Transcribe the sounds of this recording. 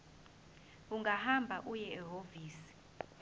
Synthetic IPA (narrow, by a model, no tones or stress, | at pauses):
uŋɡʱahambʱaʔujɛɛɦoviːsi̥